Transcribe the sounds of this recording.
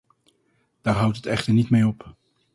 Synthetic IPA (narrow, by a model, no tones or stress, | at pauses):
d̥aːɹɦʌwtɦətɛχtəɹnitmejɔp